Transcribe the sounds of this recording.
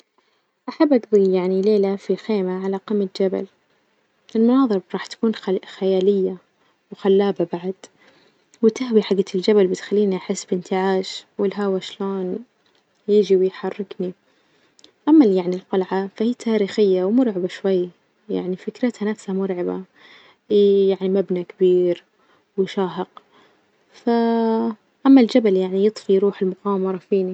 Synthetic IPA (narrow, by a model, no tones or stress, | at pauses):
ʔaħabːʔaɡðˤijjaʕnileːlafixeːmaʕalaqɑmːɪt̪d͡ʒaba̰l | ʔɪlmʊnɑːðˤɨɾˤɾˤɑːħt̪ḁkuːnxajaːlɪjːa | wxalːaːbabaʕad̪̥ | wɪt̪aɦwiħaɡːat̪ɪld͡ʒabalbɪt̪xalːiːniʔaħɪsːbɪnt̪ɪʕaːʃwɪlɦawaʃloːn | jɪːd͡ʒiwjħɑrˤːɪkni | ʔamːaljaʕnilqɑlʕafahiːt̪ʰaːɾiːxɪjːawmʊɾʕabaʃwajː | ja̰ʕnifɪkɾɪt̪hanafshamʊɾʕaba̰ | hiːjaʕnimabnakabiːɾ | wɪʃaːɦɪq | fa | ʔamːald͡ʒabaljaʕnijɨt̪ˤfijɾuːħɪlmʊqɑːmɑɾˤɑfiːni